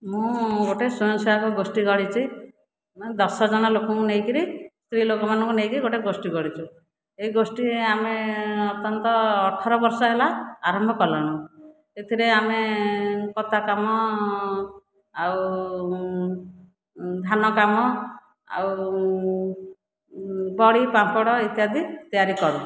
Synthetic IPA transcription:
mũɡoʈesujɔŋsɔakuɡosʈiɡɔɽit͡ʃʰi | md̪ɔsɔd͡ʒɔnalokɔŋkuneɦjkiɾist̪ɾilokɔmanɔ̃ŋkunejkiɾiɡoʈeɡosʈiɡɔɽit͡ʃʰu | eiɡosʈiameɔt̪jɔnt̪ɔːʈʰɔɾɔbɔɾsɔɦelaaɾɔmbʱɔkɔlɔɽ̃ũ | et̪ʰiɾeame | kɔt̪akamɔ | aw | d̪ʱanɔkamɔ | a̰w | bɔɽipapɔɽɔit̪jad̪ʱit̪ijaɾikɔɾu

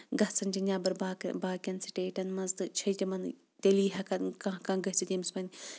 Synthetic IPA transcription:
ɡɐht͡sʰɐnd͡ʒinʲaːbɐɾbaːkbaːkʲɐnsiʈeːʈɐnmɐzt̪ɨt͡ʃʰɐjt̪ʲimɐn | t̪ʲeliːɦɐkɐnkãɦkaːɡɐt͡ʃit̪ʲimspɐnʲi

